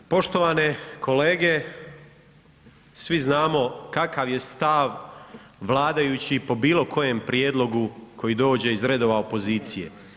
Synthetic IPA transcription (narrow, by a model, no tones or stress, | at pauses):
po̞ʃt̪o̞ʋane̞kʰo̞leːɡe̞ | sʋiznaːmo̞kakaʋje̞st̪aʋ | ʋlˠaːd̪ajut͡ɕipo̞biːlˠo̞kʰo̞je̞mpɾjed̪lˠo̞ɡukʰo̞jid̪o̞ːd͡ʑe̞izɾe̞d̪o̞ʋaopo̞ziːt̪sijḛ